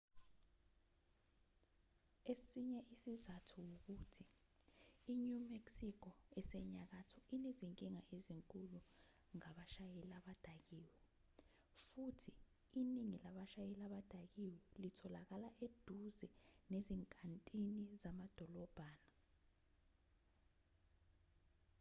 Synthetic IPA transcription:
esiɲɛʔisizatʰuwok̬utʰiː | ɲumeksikʰɔɛsɛɲak̬atʰɔineziŋkʼiŋaʔeziŋkʼulu | ŋaɓaʃajɛlaɓad̥ʱak̬iːwɛ | futʰiː | niŋilaɓaʃajɛlaɓad̥ʱak̬iwɛlitʰɔlak̬alaʔed̥ʱuzɛneziŋkʼantʼinizamad̥ʱɔlɔb̥ʱaːna

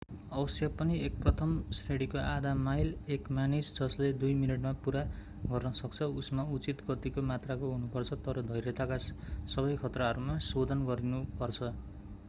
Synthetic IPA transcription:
ʌbʌsjapʌniek̚prʌt̪ʰʌmsreɽikoʔad̪ʱamajlekmanisd͡zʌsled̪ujminʌʈmapuɾa | ɡʌrnʌsʌkt͡sʰʌusmaut͡sit̪kʌt̪ikomat̪rakoɦunupʌrt͡sʰʌt̪ʌɾʌd̪ʱʌjɾet̪akasʌβʌjkʰʌt̪raʌɾumasod̪ʱʌnɡʌɾinupʌrt͡sʰʌ

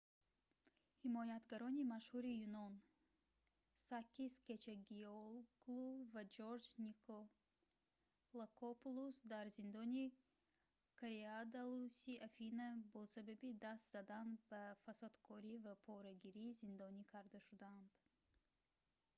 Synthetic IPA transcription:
himɔjat̪ɡaɾɔnimaʃhuɾijunɔn | sakːisket͡ʃʰeɡiolɡluvad͡ʒoɾd͡ʒnikʰo | lakʰopulusd̪aɾzind̪ɔni | kʰaɾead̪alusiʔafinabɔsababid̪ast̪z̥ad̪anbafasad̪kʰɔɾivapʰɔɾaɡiɾizind̪ɔnikʰaɾd̪aʃud̪aand̪̥

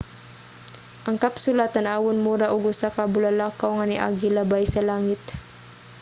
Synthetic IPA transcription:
ʔɐŋkɐpsʊlaːt̪anaːwʊnmuɾaʔʊɡʊsakabʊlalaːkawŋanɪʔa̰ːɡɪlabajsɐlaːŋɪt̪̚

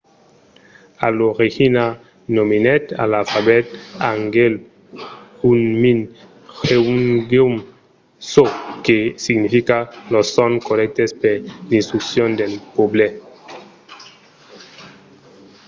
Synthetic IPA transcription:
aloɾixina | nominet̪a̰lalfaβet̪̚aŋɡel | unmin | heuŋɡeum | sokesiɡnifikalosoŋkoɾɛk̚t̪espeɾdĩnst̪ɾuksjond̪elpoble

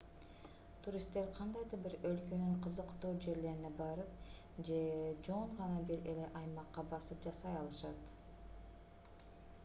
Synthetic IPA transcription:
t̪ʰuɾʲist̪ːe̞ɾqʰɑnd̪ɑjd̪ɯɾbiɾø̞lkønyɴqʰɯzɯqt̪uːd͡ʒe̞ɾle̞ɾinebɑɾɯp̚ | d͡ʒe̞d͡ʒoɴʁɑnɑbiɾele̞ʔɑjmɑqːɑbɑsɯpd͡ʒɑsɑjɑlˠɯʃɑt̪

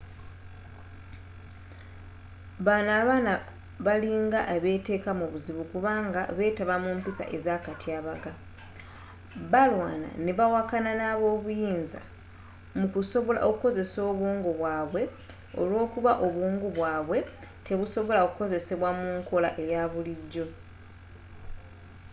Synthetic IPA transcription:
βaːnaːβaːna | βaliŋɡaʔeβe̞te̞ːkamuβuziβukuβaːŋɡaβe̞ːtaβamuːmpisa̰ʔezaːkatiaːβaɡa | βalwa̰ːna̰neβawakananaːβo̞ːβujiːnza̰ | mukuso̞βo̞la̰ʔo̞kuko̞ze̞so̞ːβuːŋɡuβwaːβwe̞ | o̞̰lwo̞ːkuβaʔo̞βuːŋɡuβwaːβwe̞teβuso̞βo̞laokuko̞ze̞seβwamuːŋkʰo̞la̰ʔe̞jaβuliɟːo̞

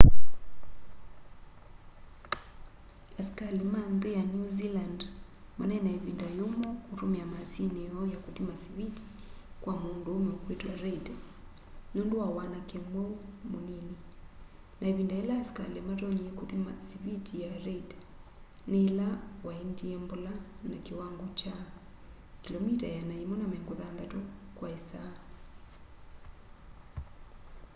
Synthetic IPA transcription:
askalimanðijanuziland | mananaivindajumɔkuɾumamasiniɔjakuðimasiviti̥ | kwʔamundumɛukwitwaɾɛd | nunduwawanakɛmɔmunini | naiβindaɛlaskalɛmatɔɲiɛkuðima̰siβitijaɾɛd | nɛlawaindiɛmbɔlanakiwaŋɡɔt͡ʃa | kilɔmitajanaimɔnamɛŋɡuðanðatɔkwaɛsa

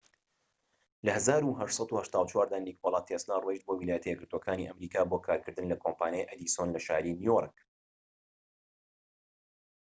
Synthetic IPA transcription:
lɐhɐzaːɾuɦɐʃtsˤɑt̪uhɐʃt̪aːwt͡ʃwaːɾd̪anikʰolˠat̪ʰeslarweʃt̪̚boːwilaːjɛt̪ɐjɛɡɨɾt̪woɔkʰaːnḭʔɐmɾiːkaːboːkʰaːɾkʰɨɾd̪ɨnlɐkʰompaːnjajʔɐd̪isonlɐʃa̰ːɾiːnijork

